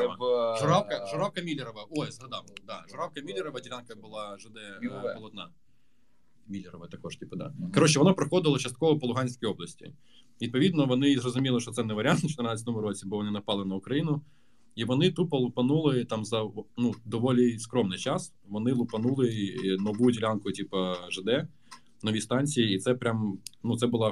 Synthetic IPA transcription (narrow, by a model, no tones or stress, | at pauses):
ʐʊɾafkɐʐʊɾawkɐmʲilʲɪɾɐʋɐojzɦɐd̪ab̪ˠd̪aʐʊɾawkɐmʲilʲɪɾɐʋɐdʲɪɾʲankəbɨlˠaʐɨd̪ɛpɔlˠɐt̪na | mʲilʲːɪɾəʋəjt̪ɐkojʂtʲipɐd̪a̰kɐɾot͡ɕːɛʋɐnopɾɐxod̪əʋəlˠt͡ɕɐst̪̚koʋɐpɐlˠʊɦanʲsʲkəjoblˠəsʲtʲɪ̰ | ʋʲid̪̚pɔʋʲid̪nɔʋɔnɪzrɔzʊmʲilˠɪʃt͡ʃɔt̪sɛnɛʋɐɾʲɑnt̪nt͡ʃɔ̥t̪ɪrnɑt͡sʲət̪ɔmʊɾɔt͡sʲibɔʋɔnɪnɐpɑlˠɪnɐʊkɾɐjinʊ | iʋɔnɪt̪upɐlˠʊpɐnulˠɪt̪ɑmzɐnud̪ɔʋɔlʲiskɾɔmnɪjt͡ʃɑs | ʋɔnɪlˠʊpɐnulˠɪnɔʋujdʲɪlʲankʊtʲipɐʒɪd̪ɛ | nɔʋʲist̪ɑnʲt͡sʲijiːt̪sɛpɾʲamnut̪sɛbʊlˠɑ